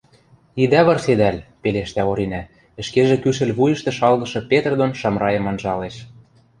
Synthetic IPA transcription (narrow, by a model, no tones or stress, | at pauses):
id̪æβɤ̆rsed̪ælʲpeleʃt̪æoɾinæ | ɘ̆ʃkeʒĕkyʃɘ̆lʲβujɤ̆ʃt̪ĕʃɑlɣɤ̆ʃɤ̆pet̪ərd̪onʃɑmrɑjɤ̆mɑnʒɑleʃ